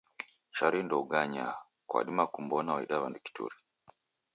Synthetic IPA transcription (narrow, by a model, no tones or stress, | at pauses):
t͡ʃaɾindɔuɡaɲa | kwa̰ɗimakum̩bɔnawaḭɗaβanduki̥tṵɾi